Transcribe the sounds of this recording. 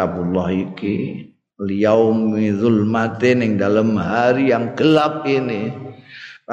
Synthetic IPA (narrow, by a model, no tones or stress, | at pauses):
abulɔhiki | lijawmiðʊlmat̪ɪnɪŋdalamɦaɾijaŋɡəlap̚ini